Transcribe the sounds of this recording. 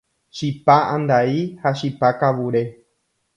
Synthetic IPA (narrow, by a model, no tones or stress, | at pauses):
ʃipaãnd̪aihaʃipakaʋuɾe̞